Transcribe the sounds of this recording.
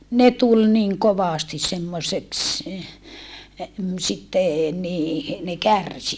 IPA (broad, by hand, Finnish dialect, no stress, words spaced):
ne tul niŋ koʋɑˑsti semːoseks sitːe niː ne kærsi